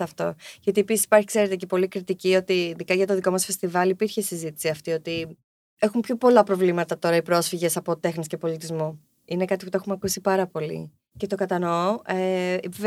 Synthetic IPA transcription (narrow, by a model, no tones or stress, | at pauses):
ɐft̪o̞̰ʝɐt̪iepisisi̥pɐɾçi̥kse̞ɾet̪e̞ce̞po̞likɾit̪icio̞t̪iðikɐʝɐt̪oðiko̞mɐsfe̞st̪ivɐlipiɾçesizit̪i̥siɐft̪io̞t̪i | e̞xumpçopo̞lɐpɾo̞vlimɐt̪ɐt̪o̞ɾɐipɾo̞sfiʝe̞sɐpo̞t̪e̞xnisce̞po̞lit̪izmo | inekɐt̪iput̪oe̞xumɐkusipɐɾɐpo̞lḭ | ce̞t̪okɐt̪ɐnoev